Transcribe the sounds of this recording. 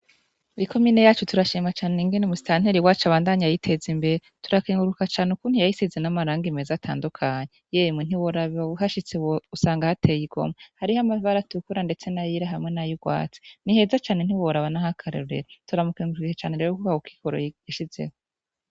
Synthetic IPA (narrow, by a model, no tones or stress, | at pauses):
uɾiko̞miːne̞jaːt͡ʃutuɾaʃiːmat͡ʃaːneniːŋɡenemusi̥taːn̥heɾiwaːt͡ʃaβaːndaɲajajitʰe̞zimbe̞ɾe | tuɾakiːŋɡuɾukat͡ʃaːneukuːn̥hijajisizenamaɾaːŋɡime̞ːzatʰa̰ːndukʰaɲejeːjmŋen̥iwoɾaβuhaʃit͡seusaːŋɡahatʰejiɡo̞̰mahaɾihamavaɾatukuɾande̞t͡se̞najiɾaɦamŋe̞najiɡwa̰ːt͡si̥niɦe̞ːzat͡ʃaːnen̥iwoɾaβanahakʰaɾḛɾuɾḛɾatuɾamukiːŋɡuɾukiket͡ʃaːne̞ɾeːɾokukahuki̥koɾo̰jiʃize̞̰ho